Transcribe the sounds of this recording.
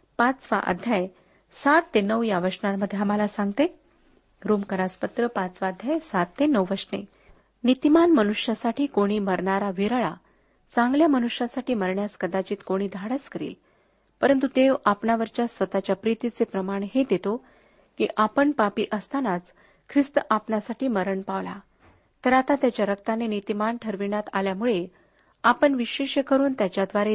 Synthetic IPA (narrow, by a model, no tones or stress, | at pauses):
pat͡sʋa̰ʔə̰d̪ʱjaj | sat̪ːenəʋjaʋəʂnaməd̪ʱːeaməlasãŋɡt̪e | ɾomkəɾaspət̪ɾəpat͡sʋaəd̪ʱjajsat̪ːenəʋʋəɾʂnḛ | nit̪imanmənuʂjasaʈʰiːkoɽ̃iːməɾɳaɾaʋiɾɭa | t͡saŋɡljamənuʂjasaʈiːməɾɳjaskəd̪at͡ɕiːt̪koɽ̃iːd̪ʱaɽət͡skəɾḭːl | pəɾənt̪ut̪eʋapɳaʋəɾt͡ɕjasʋət̪at͡ɕjapɾit̪it͡sepɾəmaɳɦed̪et̪o | kḭːʔapəɳpapiːʔəst̪anat͡s | kʰɾist̪əʔapnasaʈiːməɾəɳpaʋla̰ | t̪əɾat̪at̪jat͡ɕjaɾəkt̪anenit̪imanʈʰəɾʋiɳat̪aljamuɭe | apəɳʋiɕeɕekəɾuːnt̪jat͡ɕjad̪ʋaɾe